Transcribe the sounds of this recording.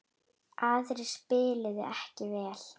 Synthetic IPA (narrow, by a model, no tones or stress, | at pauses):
aðɾɪ̥spɪːlɪðɪʔɛhcɪvɛːl̥